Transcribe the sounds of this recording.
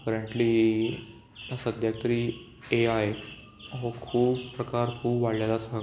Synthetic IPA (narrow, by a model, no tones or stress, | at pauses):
kəɾəɳʈliː | asəd̪ʱjakt̪ɾiː | eae | ɦokʰuːbpɾəkaɾkʰuːbʋaɽlalasã